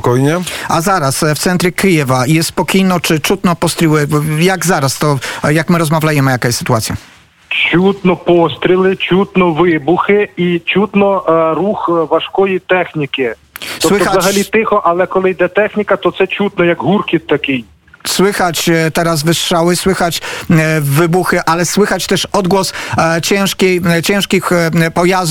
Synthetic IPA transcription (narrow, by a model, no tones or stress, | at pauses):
kɔjɲɛazaɾasft̪sɛnt̪ɾʲɛkɪjɛvajɛsspɔkʲijnɔt͡ʂɪt͡ʂut̪nɔpɔst̪ɾʲiwɪjaɡzaɾast̪ɔjakmɪɾɔzmavʲlʲajɛmɪjakajɛsɪ̥t̪uat̪sʲja̰ | t͡ʃut̪nɔpɔst̪ɾʲilˠɪt͡ʃʲut̪nɔʋɪbʊxɪit͡ʃut̪nɔɾuxʋɐʃkɔjit̪ɛxnʲikʲɪ | sɔwɪɔxazɐɦɐlʲit̪ɪxɔʔɐlˠɛkɔlˠɪjd̪ɛt̪ɛxnʲikɐt̪ɔt̪sɛt͡ʃʲut̪nɔjaɡɦurkʲit̪t̪ːɐkɪj | swɪxat͡ɕt̪ɛɾaz̬vɪsʂawɪswɘxat͡ɕ | vɪbuxɪʔalɛswɘxat͡ɕt̪ɛʂɔd̪ɡwɔst͡ɕɛ̃w̃ʂkʲejt͡ɕɛ̃w̃ʂkʲixpɔjaz